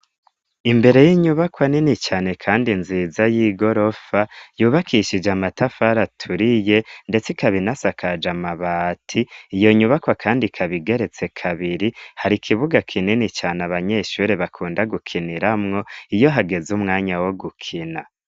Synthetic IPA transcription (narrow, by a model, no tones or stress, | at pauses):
imbe̞ɾe̞jiːɲuβakwaninit͡ʃaːne̞kʰaːndinziːzajiːɡo̞ɾo̞fajuːβakʰiʃid͡ʒamatafaɾatʰuɾije̞nde̞t͡sikaβinasakʰad͡ʒamaβaːtʰiːjo̞ɲuβakwakʰaːndikʰaβiɡe̞ɾe̞t͡se̞kʰaβiɾihaɾikʰiβuɡakʰininit͡ʃaːnaβaɲe̞ʃuːɾeβakʰuːndaɡukʰiniɾamŋo̞ijo̞ɦaɡe̞zumŋaːɲawo̞ɡukʰina